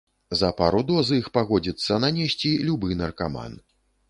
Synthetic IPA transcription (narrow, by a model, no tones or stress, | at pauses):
zɐpaɾud̪ɔzɨixpaɣɔd͡zʲit̪sːɐnanʲesʲt͡sʲilʲubɨnɐrkama̰n